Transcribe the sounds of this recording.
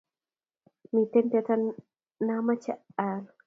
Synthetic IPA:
mi˨t̪e˦nt̪e˧t̪ʰa˦˧n | na˧˦ma˦t͡ʃa˧ʔaː˨l

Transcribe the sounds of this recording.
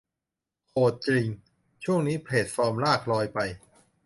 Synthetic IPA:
kʰoː˨˩t̪̚t͡ɕi˧ŋ | t͡ɕʰu˥˩əŋniː˦˥pʰleː˨˩t̪̚fɔː˧mlaː˥˩k̚lɔː˧jpa˧j

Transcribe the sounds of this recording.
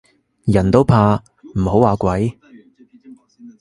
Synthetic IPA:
jɐ˨˩nt̪o˥wpʰaː˧ | m̩˨˩ho˨˥waː˨˧kʷɐ˨˥j

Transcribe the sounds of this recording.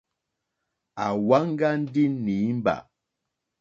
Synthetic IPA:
a˨wa˦ŋ˦ɡa˦n̩˦di˦ni˨˦m˦ba̰˨

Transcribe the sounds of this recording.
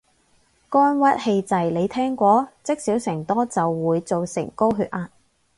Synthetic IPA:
kɔː˥nwɐ˥t̚he˧jt͡sɐ˨jle˨˧jt̪ʰɛː˥ŋkʷɔː˨˥t͡sɪ˥k̚siː˨˥wsɪ˨˩ŋt̪ɔː˥t͡sɐ˨wːuː˨˧jt͡so˨wsɪ̰˨˩ŋko˥wɦyː˧t̚ʔaː˧t̚

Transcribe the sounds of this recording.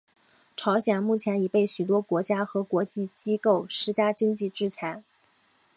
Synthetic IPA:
ʈ͡ʂʰɑ˧˥ʊɕjɛ˨˩nmu˥˩t͡ɕʰjɛ˧˥ni˨˩pe˥˩ɪɕy˨˩t̪wɔ˥kwɔ˧˥t͡ɕja˥xɤ˧˥kwɔ˧˥t͡ɕi˥˩t͡ɕi˥ko˥˩ʊʂɻ̩˥t͡ɕja˥t͡ɕi˥ŋt͡ɕi˥˧ʈ͡ʂɻ̩˥t͡ɕʰjɛ˧˥ɪ

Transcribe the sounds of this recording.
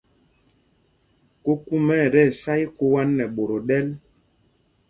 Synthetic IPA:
ko˦ku˦mɛ˦˨ɾɛ˦˨sa˦i˦ko˦wa˦nːɛ˨ɓo˨ɾo˨ɗɛ˦l

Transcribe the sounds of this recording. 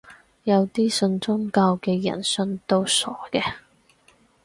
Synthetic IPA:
jɐ˨˧wt̪iː˥sɵ˧nt͡sʊ˥ŋkaː˧wkɛː˧jɐ̰˨˩nsɵ˧nt̪o˧wsɔː˨˥kɛː˧

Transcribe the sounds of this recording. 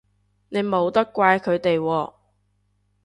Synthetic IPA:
ne˨˧jmo˨˧wt̪ɐ˥kːʷaː˧jkʰɵ˨˧ɥt̪e˨jwɔː˧

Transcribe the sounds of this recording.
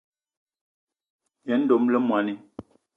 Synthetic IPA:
jɛ˨˦n̩˦do˨mlə˦mwa˨ni˦

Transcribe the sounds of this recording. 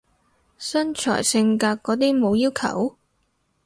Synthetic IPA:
sɐ˥nt͡ʃʰɔ̰ː˨˩jsɪ˧ŋkaː˧kkːɔː˨˥t̪iː˥mo˨˧wjiː˥wkʰɐ̰˨˩w

